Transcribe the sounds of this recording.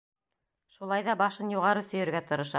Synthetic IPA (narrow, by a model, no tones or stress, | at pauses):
ʃulˠɑjðɑbɑʃɤnjuʁɑɾɤsɵ̆jɘ̆ɾɡæt̪ɤ̆ɾɤ̆ʃɑ̰